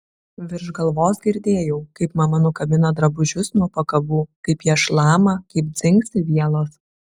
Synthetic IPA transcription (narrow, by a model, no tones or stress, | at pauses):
ʋʲɪɾʒɡɐlˠʋoːsɡʲɪɾʲd̪ʲeːjɛʊkɐɪpmɐmɐnʊkɐbʲɪnɐd̪ɾɐbʊʒʲʊsnuɔpɐkɐbuːkɐɪpjiʃlˠɑːmɐkɐɪp̚d̪zʲɪŋksʲɪʋʲiɛlˠoːs